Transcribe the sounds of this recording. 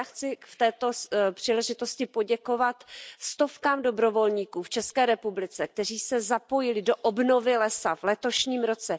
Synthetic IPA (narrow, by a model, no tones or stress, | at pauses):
axt͡sɪft̪ɛːt̪o̞pr̥iːlɛʒɪt̪o̞scɪpo̞ɟɛko̞vat̪st̪o̞fkaːmdo̞bɾo̞vo̞lɲiːkuːft͡ʃɛskɛːɾɛpublɪt͡sɛk̚t̪ɛr̝iːsɛzapojɪlɪdo̞ʔobno̞vɪlɛsavlɛt̪o̞ʃɲiːmɾo̞t͡sɛ